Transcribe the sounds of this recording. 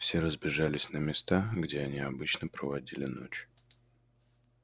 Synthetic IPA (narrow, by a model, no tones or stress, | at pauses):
fsʲe̞ɾəzbʲɪʐalʲɪsʲnəmʲɪst̪aɡdʲeɐnʲiɐbɨt͡ɕnəpɾəvɐdʲilʲɪ̰no̰t͡ɕ